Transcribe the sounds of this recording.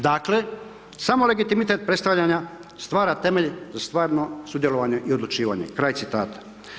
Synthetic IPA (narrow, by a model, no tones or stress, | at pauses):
d̪aːkle̞ | samo̞le̞ɡit̪imit̪e̞t̪̚pɾest̪aʋʎaɲast̪ʋaːɾat̪e̞me̞ʎzast̪ʋaːɾno̞sud̪je̞lo̞ʋaɲeʔiod̪lut͡ʃiːʋa̰ɲe̞̰kɾaːjt̪sit̪aːt̪ḁ